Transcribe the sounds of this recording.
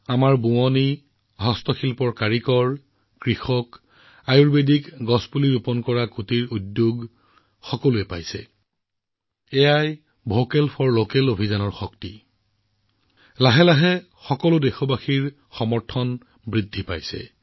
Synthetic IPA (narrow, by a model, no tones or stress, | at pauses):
amaɹbuɔni | ɦɔstɔxilpɔɹkaɹikɔɹ | kɹixɔk | ajuɹbedikɡɔspuliɹupɔnkɔɹakutiɹudjoɡ | xɔkɔluɛpa̰jsɛ̰ | ɛjaj | bʱokɛlpʰɔɹlokɛlobʱizanɔɹxɔkti | laɦɛlaɦɛ | xɔkɔlʊdɛxɔbaxiɹ | xɔmɔɹtʰɔn | bɹidʱːipa̰jsɛ̰